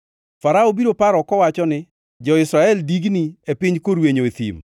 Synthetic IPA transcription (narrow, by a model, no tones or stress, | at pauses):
faɾaobiɾopaɾɔkɔwat͡ʃɔnɪ | d͡ʒɔɪsɾaɛldiɡniepɪɲkoɾweɲoet̪ḭm